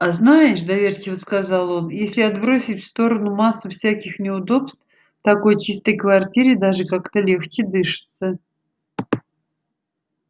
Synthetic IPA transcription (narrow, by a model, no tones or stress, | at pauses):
aznajɪʂ̬d̪ɐvʲerʲtʲɪvəskazalˠo̞njesʲlʲɪɐd̪bɾo̞sʲɪtʲfst̪o̞ɾənʊmasːʊfsʲakʲɪxnʲɪʊd̪o̞pst̪f | t̪ɐko̞jt͡ɕist̪əjkvɐrtʲiɾʲɪd̪aʐɨkakt̪əlʲe̞xt͡ɕɪd̪ɨʂɨ̥t̪sə